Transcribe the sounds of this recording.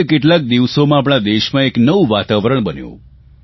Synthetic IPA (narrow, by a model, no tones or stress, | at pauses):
keʈlak̚d̪iʋsomãap̬ɽ̃ad̪eʃmãeknəʋuʋat̪aʋɾəɳbənjṵ̃